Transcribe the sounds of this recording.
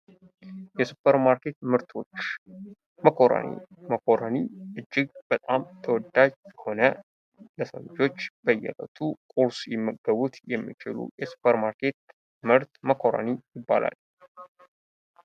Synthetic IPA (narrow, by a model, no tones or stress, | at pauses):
jɛsupʰːəɾmaɾke̞t̪mɨɾt̪ʰo̞t͡ʃː | məkʰoɾə̰nḭməkʰoɾəniʔɨd͡ʒːɪɡb̥ət̪ʼamt̪ʰəwɔd̪ːad͡ʒəho̞nə | ləsə̰ld͡ʒo̞t͡ʃːb̥əjːɛ̰lə̰t̪ʰukʼuɾsjɛmːəɡːəβut̪jɛmːḭt͡ʃɪ̰lṵjɛsu̥pʰəɾmaɾkʰe̞t̪̚ | mɨɾt̪məkʰoɾə̰nijɪbːa̰lʔa̰l